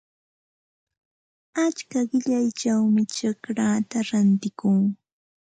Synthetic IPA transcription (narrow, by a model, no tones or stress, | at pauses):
at͡ʃkaɢɪʎajt͡ʃawmɪʈ͡ʂakɾat̪aɾant̪ɪkʊŋ